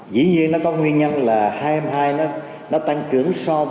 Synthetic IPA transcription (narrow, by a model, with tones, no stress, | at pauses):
zḭ˧˥˦ɲi˧ənɔ˨˦kɔ˨˦ŋwi˧ənɲə˧nlaː˨˩haː˧jha˧mhaː˧jnɔ˨˦ | nɔ˨˦˥t̪a˧ŋt͡ɕɨ˨˧˩əŋsɔ˧